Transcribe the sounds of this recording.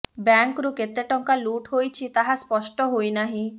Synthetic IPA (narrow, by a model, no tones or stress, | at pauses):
baŋkɾuket̪eʈɔŋkaluʈɦojt͡ʃʰit̪aɦaspɔʃʈɔɦojnaɦĩ